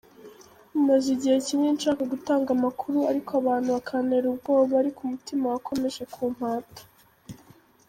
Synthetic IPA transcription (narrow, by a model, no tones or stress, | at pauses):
umaziɟihe̞ciɲenʃaːkaɡutaːŋɡamakʰuɾuaɾikoaβaːn̥huβakʰane̞ɾub̚ɡo̞ːβaaɾikumutimawakʰo̞me̞ʃe̞kʰuːm̥haːtḁ